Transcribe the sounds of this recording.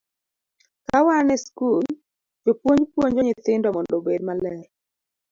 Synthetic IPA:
kawanɛskul | d͡ʒopwoɲd͡ʒpwoɲd͡ʒoɲɪt̪ɪndɔmɔndobedmalɛ

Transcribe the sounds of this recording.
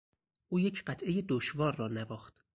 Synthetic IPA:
ʔuːje̞cʰɢæt̪ʰʔe̞jed̪oʃvɒːɾːɒːnævɒːxt̪

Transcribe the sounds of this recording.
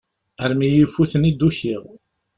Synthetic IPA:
əɾmijifuθənid̪uçiʁ

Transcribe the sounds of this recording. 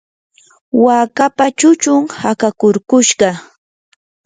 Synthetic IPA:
waːkapat͡ʃʊt͡ʃʊŋhakakʊɾkʊʃɢɑ

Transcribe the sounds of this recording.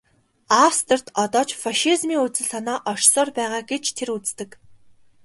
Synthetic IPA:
awst̪ʰə̆r̥t̪ɔt̪ɔːt͡ɕfaʃizmiːŋut͡sɘ̆ɮsanaːʔɔʃsɔːrpæːʁaːɡet͡ɕt̪ʰeɾut͡st̪ɘ̆k

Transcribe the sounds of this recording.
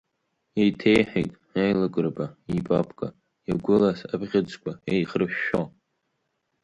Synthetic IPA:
ejtʰejħᶣejtʼ | ajlakʼɨrbaipʼapʰʼkʼa | jaɡʷʊlasabʁʲad͡ʒʼkʷʰʼaejχrɨʃᶣːo

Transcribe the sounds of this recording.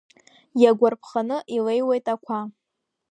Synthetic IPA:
jaɡʷarpʰχanɨʔilejwejtʼakʷʰa

